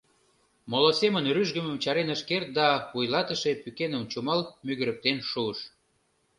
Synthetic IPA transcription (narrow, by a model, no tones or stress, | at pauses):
molosemənryʒɣə̆məmt͡ɕɑɾenəʃkert̪̚d̪ɑβujlɑt̪əʃepykenəmt͡ɕumɑlmyɣəɾə̆k̚t̪enʃuəʃ